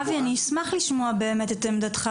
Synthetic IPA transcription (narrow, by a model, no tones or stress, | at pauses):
vianismaχliʃmoabeːmet̪et̪emd̪at̪χa